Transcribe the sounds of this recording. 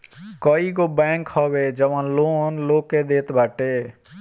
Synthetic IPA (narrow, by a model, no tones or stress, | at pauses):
kəiɡobɛ̃ːŋkhɔbed͡ʒəʋãnloːnloːked̪eːt̪baːʈe